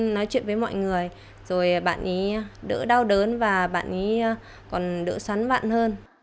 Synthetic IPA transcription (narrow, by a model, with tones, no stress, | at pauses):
nɔ˨˦jt͡ɕwḭ˧˨ənvəː˨˦jmɔ̰˧˨jŋɨ˨˩əj | z̥o˨˩jɓa̰ː˧˨nʔi˨˦ɗɨ̰˧˥ɗa˧wɗəː˨˦nvaː˨˩ɓa̰ː˧˨nʔi˨˦˧ | kɔ˨˩nɗɨ̰˧˥swa˨˦nva̰ː˧˨nhəː˧n